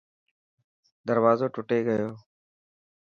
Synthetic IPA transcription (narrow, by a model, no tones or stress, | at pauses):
d̪əɾʋaːzoːʈʊʈeːɡəjoː